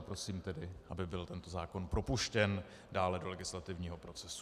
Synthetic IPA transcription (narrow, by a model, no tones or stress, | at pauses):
pɾo̞siːmt̪ɛdɪʔabɪbɪlt̪ɛnt̪o̞zaːko̞npɾo̞puʃcɛn | daːlɛdo̞lɛɡɪslat̪ɪvɲiːɦo̞pɾo̞t͡sɛsu